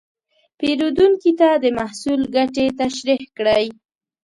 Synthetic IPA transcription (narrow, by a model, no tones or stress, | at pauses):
peɾod̪uŋkit̪ad̪əmahsulɡaʈet̪aʃɾihkɽəj